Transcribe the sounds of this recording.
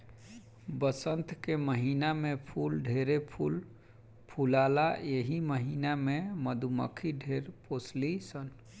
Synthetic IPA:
bəsənt̪keməɦinamepʰulɖʱeɾepʰul | pʰulalaeɦiməɦinameməd̪ʱumə̰kʰiɖʱeɾposlisən

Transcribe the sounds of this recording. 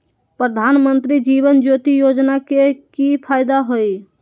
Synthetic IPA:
pɾəd̪ʱanmənt̪ɾid͡ʒiβənd͡ʒot̪ijod͡ʒnakekipʰajd̪aɦoj

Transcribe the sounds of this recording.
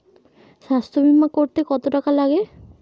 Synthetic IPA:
ʃast̪ʰɾobʱimːakoɾt̪ekɔt̪oʈakalaɡe

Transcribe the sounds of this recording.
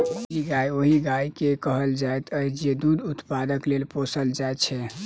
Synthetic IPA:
d͡ʒiɡaioɦiɡaikekəɦəld͡ʒaet̪ʰəjd͡ʒied̪ud̪ut̪pad̪əklelposəld͡ʒaet͡ʃʰɛ

